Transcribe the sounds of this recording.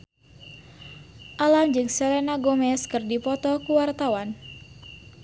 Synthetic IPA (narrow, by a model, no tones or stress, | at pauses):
ʔaland͡ʒɨŋsɛlenaɡomɛskɨrdipɔt̪ɔkuwart̪awan